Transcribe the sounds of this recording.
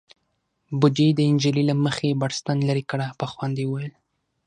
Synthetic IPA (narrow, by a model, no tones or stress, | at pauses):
bʊd͡ʒijd̪əɪnd͡ʒililaməxebɑɽst̪anlaɾikəɽapəxwand̪ewwajəl